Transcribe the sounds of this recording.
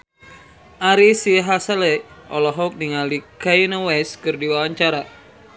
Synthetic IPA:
ʔaɾisiɦasalɛʔɔlɔɦɔk̚niŋalikajnɔwɛskɨrdiwawaɲt͡ʃaɾa

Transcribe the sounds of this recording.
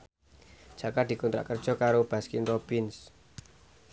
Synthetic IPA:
d̥ʒ̥a̤kad̪̥i̤kunt̪ɾa̰ʔkərd̥ʒ̥ɔ̤kaɾob̥a̤skɪnpɾopins

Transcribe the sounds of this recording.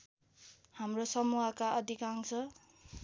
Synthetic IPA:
hamrosʌmuɦakaʌd̪ʱikaŋt͡sʰʌ

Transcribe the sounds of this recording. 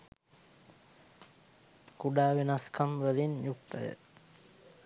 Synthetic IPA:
kuɖaːʋenaskamʋəlinjuk̚t̪əjə̰

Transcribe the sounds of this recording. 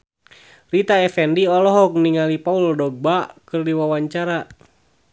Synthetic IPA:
rit̪aɛfɛndiɔlɔɦɔk̚niŋalipauldɔɡ̚bakɨrdiwawaɲt͡ʃaɾa

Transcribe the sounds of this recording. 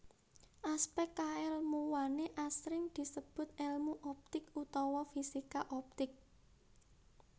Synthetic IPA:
ʔaspɛkkaɛlmuwaneʔasɾɪŋd̪̥i̤səb̥ʊ̤t̪̚ɛlmuʔɔp̚t̪ɪkut̪ɔwɔfisikaʔɔp̚t̪ɪk̚

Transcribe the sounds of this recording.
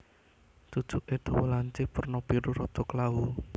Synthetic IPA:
t̪ud̥ʒ̥uʔet̪owolaɲt͡ʃɪpərnɔpiɾuɾɔt̪oklau

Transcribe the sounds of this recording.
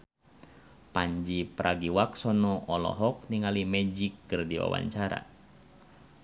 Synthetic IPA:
paɲd͡ʒipɾʔaɡiwaksɔnɔɔlɔ̰ɦɔk̚niŋalimɛd͡ʒikːɨrdiwa̰wa̰ɲt͡ʃaɾa̰

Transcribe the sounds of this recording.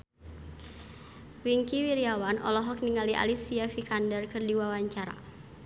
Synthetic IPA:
wiŋkiwiɾiawanʔɔ̰lɔɦɔk̚niŋaliʔa̰lisiafikandərkɨrdiwawaɲt͡ʃaɾa̰

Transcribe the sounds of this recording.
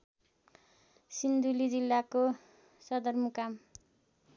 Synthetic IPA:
sind̪ulid͡zilːako | sʌd̪ʌrmukam

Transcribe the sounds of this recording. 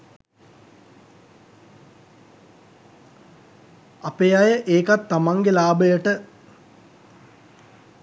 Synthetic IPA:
apejajəʔeːkat̪ːamaŋɡelaːbəjəʈə

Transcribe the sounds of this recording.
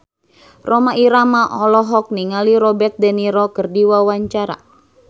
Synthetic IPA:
romaʔiɾamaʔɔlɔɦɔk̚niŋaliɾɔbɛrt̪̚dɛniɾɔkɨrdiwawaɲt͡ʃaɾa̰

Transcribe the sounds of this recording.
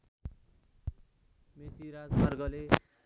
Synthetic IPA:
met͡siɾad͡zmarɡʌle

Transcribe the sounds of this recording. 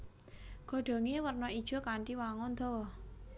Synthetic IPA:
ɡ̥ɔ̤ɖ̥ɔ̤ŋewərnɔid̥ʒ̥ɔ̤kaɳʈiwaŋɔnd̪ɔ̤wɔ

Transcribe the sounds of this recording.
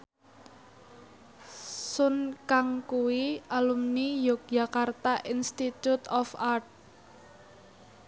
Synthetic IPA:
sʊnkaŋkuwiʔalumnijɔk̚ʒ̥a̤kart̪aʔinst̪it̪ut̪ɔfart̪̚

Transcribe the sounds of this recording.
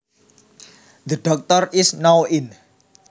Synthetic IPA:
ðəɖ̥ɔk̚t̪ɔrɪsnawɪn

